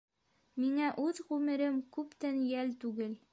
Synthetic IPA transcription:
miŋæʔʉðʁʉmɘ̆ɾɘmkʉpt̪ænjælt̪ʉɡɘl

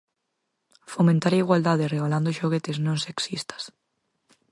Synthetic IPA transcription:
fomẽnt̪aɾaiɣwald̪aðɪreɣaland̪ʊʃoɣet̪eznõŋseksist̪ɐ̥s

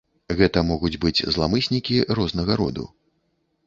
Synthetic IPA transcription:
ɣɛt̪ɐmɔɣud͡zʲbɨd͡zʲzlˠamɨsʲnʲikʲiɾɔznɐɣɐɾɔ̰d̪ṵ

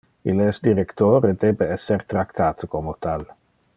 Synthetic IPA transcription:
ilɛsd̪iɾekt̪oːɾed̪eːbeɛsːeɾt̪ɾakt̪ʰaːt̪komot̪al

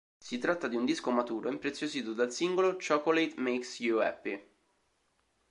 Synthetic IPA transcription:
sit̪ɾat̪ːad̪iund̪iskomat̪uːɾoimpɾet̪sːjoziːt̪od̪alsiŋɡolot͡ʃɔkolejt̪meksjuɛ̰pːi

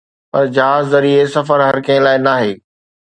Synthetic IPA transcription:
pɐɾd͡ʑɐɦaːzzɐɾiesɐfəɾɦɐɾkɐ̃ə̃laːɪnaːɦeː

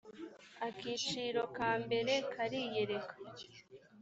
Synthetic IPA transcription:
akiːt͡ʃiːɾo̞kaːmbe̞ɾe̞kʰaɾije̞ɾe̞kḁ

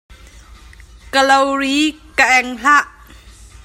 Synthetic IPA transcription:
kəlowɾiːkəʔɛŋɬaʔ

